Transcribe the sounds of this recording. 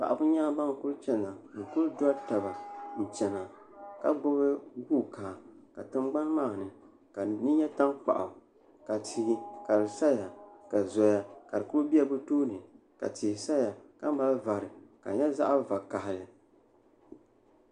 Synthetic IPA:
k͡pa̰˨ʔa˨bʊ˦ɲaː˦ba˦ŋ˨ku˦lt͡ʃɛ˦na˨ŋ̩˨ku˦ldɔ˦ta˨ba˨n̩˨t͡ʃɛ˨na˨ | ka˦ɡ͡bɔ˦bɨ˦ɡuː˦˨kaː˨ka˨tɨ˦mɡ͡ba˦nmaː˦˨nɨ˨ | ka˨nɨ˦ɲɛ˦ta˦ŋk͡pa̰˨ʔa̰˨ | ka˨tʰi˨˦ka˨lɨ˨sa˦ja˨ka˨zɔ˨ja˨ka˨ɾɨ˨kʊ˦lbi˦a˨bɨ˦toː˦nɨ˨ | ka̰˨tʰi˨sa˦a˨ka˦ma˦lva˨ɾɨ˨ka̰˨ɲɛ˦za̰˦ʔa˦va˨ka˨hɪ˨lɨ˨

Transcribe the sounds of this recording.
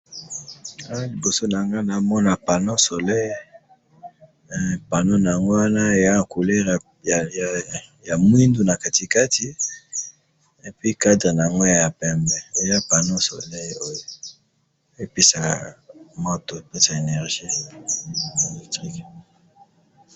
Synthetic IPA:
a˦li˨bo˨so˦na˨ŋɡa˦na˨˦mɔ˦na˨pa˨no˦so˨lɛ˦j | pa˨no˦na˨a˨ŋɡo˦wa˦na˦e˨ja˦˨ku˨le˦ʁ | ja˨mwi˦ndu˨na˨ka˨ti˨ka˦ti˦ | e˨pɥi˦ka˦dʁe˨na˨ja˨ŋɡo˦ja˨ja˨pɛ˨mbɛ˨e˨ja˦pa˨no˦so˨lɛ˦jo˦jo˨˦ | e˦pe˦sa˨mo˦to˨pe˦sa˨e˨nɛ˨ʁʒ̥i˦ | e˨lɛ˨ktʁi˦k

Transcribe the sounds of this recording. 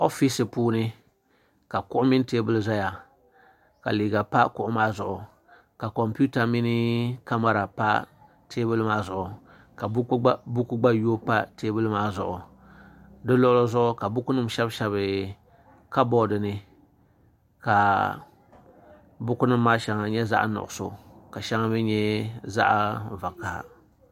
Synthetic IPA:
o˦fi˦sɨ˨puː˦nɨ˦ | ka˨kʊ˦ʔʊ˦mɪ˦n˦teː˦bɨ˦lɨ˦za˦ja˨ | ka˨liː˨ɡa˨pa˦kʊ˨ʔʊ˦maː˦zʊ˨ʔʊ˨ | ka˨kɔ˨mpu˦ta˨mi˦nɪ˦ka˦ma˦ɾa˨pa̰˦ | tʰeː˦bɨ˦lɨ˦maː˦zʊ˨ʔʊ˨ | ka˨bbu˦ku˦ɡ͡ba˦joː˦pa˦teː˦bɨ˦lɨ˦maː˦zʊ̰˨ʔʊ˨ | dɨ˦lɔ˦lo˦zʊ˦ʔʊ˦ka˨bʊ˦kʊ˦nɨ˦mʃɛ˦bʃɛ˦βɨ˨ | ka˦bɔ˦dɨ˨nɨ˦ | ka˨ | bʊ˦kʊ˦nɨ˦m̩ː˦aː˦ʃɛ˨ŋa˨ɲɛ˦za̰˦ʔa̰˦nʊ̰˨ʔʊ˨so̰˨ka˨ʃɛ˦ŋa˦bɨ˦ɲɛ˦za̰˦ʔa˦va˨kːa̰˨

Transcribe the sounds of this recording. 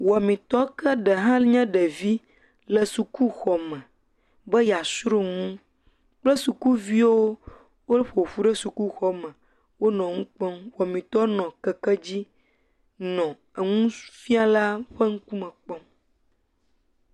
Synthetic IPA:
wɔ˨mĩ˨t̪ɔ˦kə˦ɖə˨ɦã˦lɲɛ̃˦ɖə˨vi˦ | lə˨su˨ku˦xɔ˨mɛ̃˨ | bə˦ja˨sɾu˦ŋũ˦ | k͡plə˦su˨ku˦vi˦wo˦ | wo˦lɸo˨ɸu˦ɖə˦su˨ku˦xɔ˦mɛ̃˨ | wo˦nɔ̃˨ŋũ˦k͡pɔ˦mwɔ˨mĩ˨t̪ɔ˦nɔ̃˨kə˨kə˦d͡ʑi˦ | nɔ̃˨ | ə˨ŋũ˦fi˦a˨la˦ɸə˦ŋ̩˦ku˦mə̃˨k͡pɔ˦m

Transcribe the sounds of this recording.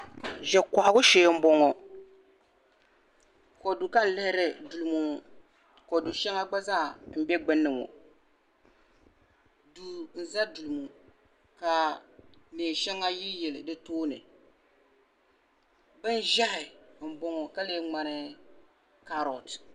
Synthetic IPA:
ʒɛ˨ka˨ʔɡʊ˦ʃeː˨˦m̩˦bɔ˦ŋɔ˨ | ko˨du˨ka˦n̩˨˦lɪ˦hɪ˦ɾɪ˦du˨lu˨mu˦˨ | ko˨du˨ʃɛ˦ŋa˦ɡ͡ba˦zaː˦˨m̩˦bɛ˦ɡ͡bɨ˦nːɨ˨ŋɔ̰˨ | du˨n̩˨za˦du˨lu˨mu˨ | ka˨ | neː˨ʃɛ˦ŋːa˦ji˦jɛ˨lɨ˨dɨ˦toː˦nɨ̰˨ | bɨ˦n˦ʒa˦hɪ˨m̩˨bɔ˦ŋɔ˨ka˦leː˦ŋ͡ma˨nɨ˦ | ka˦ɾɔ˨t

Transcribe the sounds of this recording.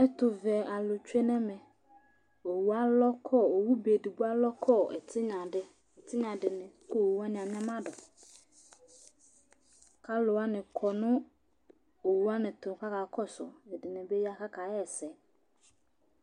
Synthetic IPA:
ɛ˦tʊ˨vɛ˨a˨lʊ˨t͡ɕᶣe˦nɛ̃˦mɛ̃˨ | o˨wu˨a˦lɔ˦kʰɔ˦˨o˨wu˦be˨di˨ɡ͡bu˦a˦lɔ˦kʰɔ˦ɛ̰˨tʰɪ˦ɲã˨dɪ˦ | ɛ˨tʰɪ˦ɲã˨dɪ˨nɪ̃˨kʰɔ˦o˨wu˦a˦nɪ̃˨a˨ɲ˦ã˦mã˦dɔ˨ | kʰa˦lo˨wa˦nɪ̃˨kʰɔ˨nʊ̃˦ | o˨wu˦a˦nɪ̃˨tʰʊ˨ka˦ka˨kʰɔ˦sɔ̰˨ɛ˨dɪ˨nɪ̃˨be˦ji˦a˦kʰa˦kʰa˨ɛ˦ɛ˨sɛ˨˦

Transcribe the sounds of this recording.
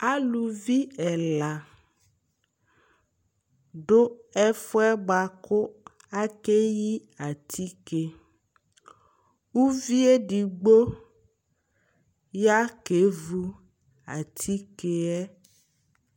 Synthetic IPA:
a˦lu˨vi˦ɛ˨la˨ | ɖo˦ɛ˦fo˦ɛ˦ɡ͡ba˨kʊ˦ | a˦ke˦ji˦a˨t̪ʰi˦ke˨ | wu˦vi˦e˦ɖi˨ɡ͡bo˦ | ja˦ke˨˦vu˦ | a̰˨t̪ʰi˦ke˨ɛ˦

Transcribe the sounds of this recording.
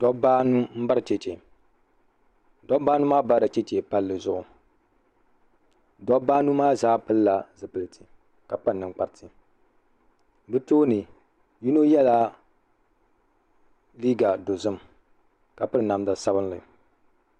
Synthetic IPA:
d̥ɔ˦baː˦nu˦m̩˦ba˦ɾɨ˨t͡ʃɛ˨t͡ʃe˨ | dɔ˦baː˦nu˦maː˦ba˦ɾɨ˨t͡ʃɛ˦t͡ʃe˨pa˦lːɨ˨zʊ˦ʔʊ˨ | dɔ˦baː˦nu˦maː˦zaː˦pɨ˦lla˨zɨ˨pɨ˨lɨ˨tɨ˨ | ka˨pa˦˨nːɨ˨ŋk͡pa˨ɾtʰɨ˨ | bɨ˦toː˦nɨ˨ | ju˦no˦jɛ˦la˦ | liː˦ɡa˨do˨zɨ˦m | ka˨pɨ˦ɾɨ˨na˨m˦da˨sa˦bɨ˦nlɨ̰˨

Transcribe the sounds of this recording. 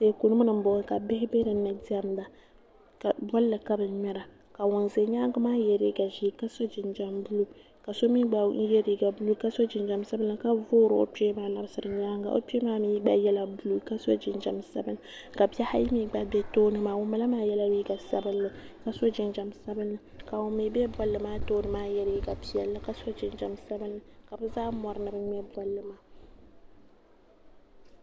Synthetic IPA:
se˦ku˨nɨ˦mu˦nɨ˨m˦bʊ˨˦ka˨bɪ˦hɪ˦be˦ɾɨ˨˦nɨ˨di˦a˦mda˨ | ka˨bɔ˦lːɨ˨ka˦bɨ˨nmɛ˦ɾa˨ | ka˨wʊ˨nze˨ɲaː˦ŋɡa˦maː˦jɛ˨ɾi˦ɡa˨ʒiː˦ka˦so˦d͡ʒɪ˨nd͡ʒa˨mbu˦lu˦ | ka˨so˦mi˦ɡ͡ba˨˦jɛ˦ɾi˨ɡa˨bu˦lu˦ka˦so˦d͡ʒɪ˨nd͡ʒa˨msa˦bɨ˦la˦˨ka˦voː˦ɾɨ˨o̰˨pɛ˦maː˦la˦bɨ˦sɨ˨ɾɨ˨ɲaː˦ŋɡa̰˨ʔo̰˨pi˦e˦maː˦miː˦ɡ͡ba˦jɛ˦la˦bu˦lu˦ka˦so˦d͡ʒɪ˨nd͡ʒa˨msa˦bɨ˦n˦ | ka˨bi˦ɛ˦ha˦ji˦miː˦ɡ͡ba˦bɛ˦toː˦nɨ˦maː˨wo˦ma˨la˦maː˦jɛ˦la˦i˦ɡa˨sa˦bɨ˦nː˦ɨ˦ka˨so˦d͡ʒɪ˨nd͡ʒa˨msa˦bɨ˦nːɨ˦ka˨o˨mi˨bɛ˦bɔ˦lːɨ˨maː˦toː˦nɨ˨maː˦jɛ˦ɾi˨˦i˦ɡa˨pi˨ɛ˨lːɨ˦ka˨so˦d͡ʒɪ˨nd͡ʒa˨msa˦bɨ˦nːɨ˦ka˨bɨ˦zaː˦mɔ˨ɾɨ˦nɨ˨bɨ˦ɲɛ˦bɔ˨lːɨ˦maː˦

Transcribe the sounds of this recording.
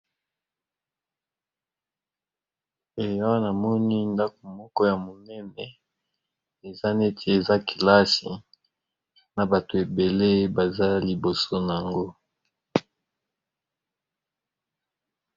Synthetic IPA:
e˨jɔ˦na˨mɔ˦ni˦nda˦k̚o˨mɔ˦kɔ˦ja˨mo˨nɛ˦nɛ˨ | e˨za˦ne˦tʰe˨e˨za˦ki˨la˦si˨ | na˨ba˨to˨e˨be˨le˦ba˨za˦li˨bo˨so˦na˨ja˨ŋɡo˦

